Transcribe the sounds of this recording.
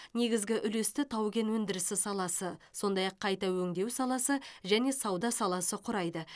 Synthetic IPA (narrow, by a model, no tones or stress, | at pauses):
ne̞ɡʲɪzɡʲɪʔʏle̞st̪ɪt̪ʰɑwɡʲe̞nwɵnd̪ɪɾɪsɪsɑlˠɑsəso̞nd̪ɑjɑqʰːɑjt̪ɑwɵŋd̪e̞wsɑlˠɑsəʒæne̞sɑwd̪ɑsɑlˠɑsəqʰʊɾɑjd̪ə